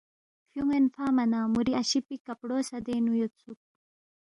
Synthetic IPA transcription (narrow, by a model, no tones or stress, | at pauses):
fjuŋenfaːmɐnaːmuɾiɐɕipikɐpɽoːsɐd̪eːnujot̪t͡suk̚